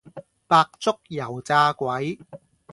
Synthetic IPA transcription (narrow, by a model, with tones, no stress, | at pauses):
paː˧k̚t͡sʊ˥k̚jɐ˨˩wt͡saː˧kʷwɐ˨˦j